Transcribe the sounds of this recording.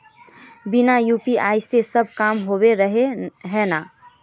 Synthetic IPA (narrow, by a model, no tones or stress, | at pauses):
bɪnajuːpiaːisesɐb̚kaːmɦoːweɾəɦeɦɛːnaː